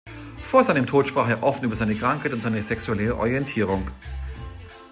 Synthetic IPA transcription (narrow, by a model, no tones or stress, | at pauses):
foːɐzaɪnəmtʰoːtʃpʁ̥aːχeːɐʔɔfn̩ʔyːbɐz̥aɪnəkʁ̥aŋkhaɪtʊntzaɪnəzɛksuɛlɛʁəʔɔ̰ʁijɛntʰiːʁ̞ʊŋ